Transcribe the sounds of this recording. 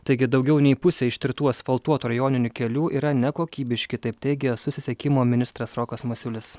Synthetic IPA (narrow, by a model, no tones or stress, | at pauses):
t̪ɐɪɡʲɪd̪ɒʊɡʲɛʊnʲɛɪpʊsʲɛːɪʃt̪ʲɪɾʲt̪uɔsfɐlˠt̪uɔt̪uːɾɐjoːnʲɪnʲʊkʲɛlʲuːʔiːɾɐnʲɛkoːkʲiːbʲɪʃʲkʲɪt̪ɐɪp̚t̪ʲɛɪɡʲɛsʊsʲɪsʲɛkʲɪmoːmʲɪnʲɪst̪ɾɐsɾɔːkɐsmʊsʲʊlʲɪs